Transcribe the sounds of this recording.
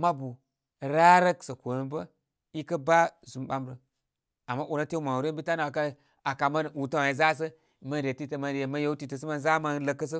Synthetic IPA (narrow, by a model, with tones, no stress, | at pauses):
ma˦bu˨ | ɾa˦ɾə˦ksə˨ko˨nə˨bə˦ | i˦kə˦ba˦zu˨mɓa˦mɾə˨ | a˨mːa˦ʔu˨na˦te˦ma˨wu˨ɾe˦bi˦ta˦na˨a˨ka˦ | a˨ka˨ma˦nu˨ta˦wa˨i˨za˦s̬ə˦˨ | mə˦nɾe˨ti˦tə˨ma˨nɾe˨ma˦je˦u˦ti˦˨tə˨s̬ə˦ma˦nza˦ma˦nlə˨kːə˦s̬ə˦